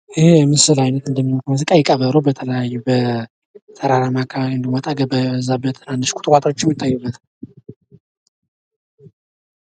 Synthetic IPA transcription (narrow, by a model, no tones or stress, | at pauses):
ʔɪhejɛmɨsɨlajnət̪ɨnd̪əmːinot̪ʰmɨzɨkʼajɛkʼəβəɾobət̪ʰələjajːubə | t̪ʰəɾaɾamakʰːaɨnd̪imɔt̪ʼaɡəbəzːabət̪ʰɨnandɨʃkʰʷʼu̥t̪ɨkʷat̪awot͡ʃːɪmːɨt̪ʰʼːajːɛbːət̪ʰ